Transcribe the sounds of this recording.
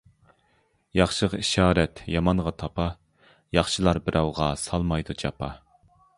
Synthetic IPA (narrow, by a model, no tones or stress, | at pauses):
jɑχʃɨləqiʃɑːɾɛt̪jɑmɑnʁɑt̪ʰɑpɑ | jɑχʃɨlˠɑɾbɪɾʔɑwʁɑsɑlˠmɑjd̪ud͡ʒʰɑpʰɑ